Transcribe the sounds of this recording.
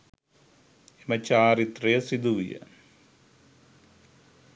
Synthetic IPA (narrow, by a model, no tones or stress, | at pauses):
emɐt͡ɕaːrit̪rijɐsid̪uʋḭjɐ̰